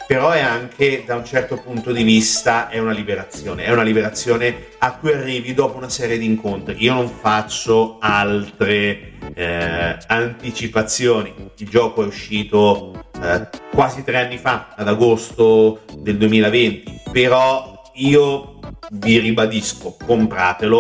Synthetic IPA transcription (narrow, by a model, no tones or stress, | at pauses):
peɾɔɛaŋkʰed̪aunt͡ʃɛrt̪opunt̪od̪ivist̪aʔɛunalibeɾat̪sːjoːneɛunalibeɾat̪sːjoːne | akːujarːiːvid̪ɔːpounasɛːɾjed̪iːŋkont̪ɾiiːonoɱfat͡ʃːoalt̪ɾe | ant̪it͡ʃipat̪sːjoːniild͡ʒɔːkoɛuʃːiːt̪o | kwaːzit̪ɾeanːifaad̪aɡost̪od̪eld̪uemiːlavent̪ipeɾɔ | iːo | viɾibad̪iskokompɾaːt̪elo